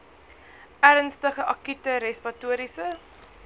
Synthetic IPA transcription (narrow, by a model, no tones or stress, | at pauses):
æɾənstəχəʔɐkytəɾɛspɐtuəɾisə